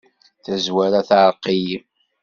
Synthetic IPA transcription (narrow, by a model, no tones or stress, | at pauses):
θæzwæɾaθʕɾˤqiji